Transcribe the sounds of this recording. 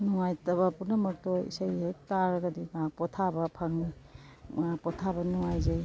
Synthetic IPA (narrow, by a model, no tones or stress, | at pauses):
nɔŋajtɐbapunɐmɐk̚tɔḭsajhejtaɾɐɡadiɡapɔtʰabɐpʰaŋni | pɔtʰabɐnɔŋajzaj